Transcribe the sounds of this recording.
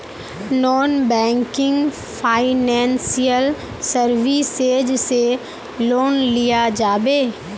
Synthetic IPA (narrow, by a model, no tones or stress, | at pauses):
nɔːnbɛ̃ːŋkɪ̃ŋɡ | pʰaːɪnɛ̃ːnsijəl | səɾʋiseːd͡ʒse | loːnlɪjad͡ʒaːbeː